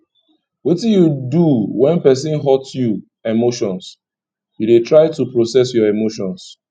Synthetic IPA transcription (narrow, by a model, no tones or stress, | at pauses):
wetijuduwɛ̃npɛs̬ĩnɦɔtju | emoʃɔ̃ns | judetɹaɪtupɹosɛsjɔemoʃɔ̃ns